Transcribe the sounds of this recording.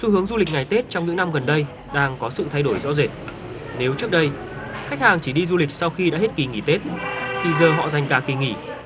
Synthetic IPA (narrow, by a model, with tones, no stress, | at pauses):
su˧hɨ˨˦əŋzu˧lï˨˩k̚ŋa˨˩jt̪e˦˥t̚t͡ɕɔ˧ŋ͡mɲɨ̰˧˥ŋna˧mɣə˨˩nɗə˧j | ɗaː˧ŋkɔ˨˦sɨ̰˧˨t̪ʰa˧jɗo˧˩jzɔ̰˧˥ze˨˩t̚ | ne˨˦wt͡ɕɨ˦˥ək̚ɗə˧j | xa˦˥k̟̚haː˨˩ŋt͡ɕi˧˩ɗi˧zu˧li˨˩k̟̚sa˧wxi˧ɗa̰ː˧˥he˦˥t̚ki˨˩ŋḭ˧˩t̪e˦˥t̚t̪ʰi˨˩zəː˨˩ɦɔ̰˧˨za˨˩jŋ̟kaː˨˩ki˨˩ŋḭ˧˩